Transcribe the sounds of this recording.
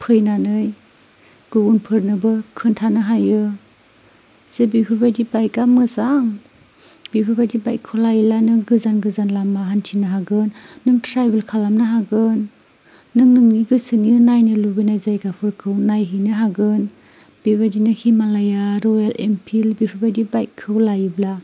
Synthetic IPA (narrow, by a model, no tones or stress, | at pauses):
pʰɯjnanɯj | ɡ̥ɯunpʰɯɾnɯbɯkʰɯntʰanɯɦajɯ | z̥ebipʰɯɾbajdibajɡamɯzaŋ | bipʰɯɾbajdibajkʰɯlajilanɯɡɯzanɡɯzanlamaɦantʰinɯɦaɡɯnːɯŋtɾajbelkʰalamnɯɦaɡɯnː | ɯŋnɯŋniɡɯsɯnjɯnajnɯlubinajzajɡapʰɯɾkʰɯwnajɦɯnɯɦaɡɯn | b̥ibadinɯhimalajaɾɔjalḛmpʰilbipʰɯɾbajdibajkʰːɯwlajɯbla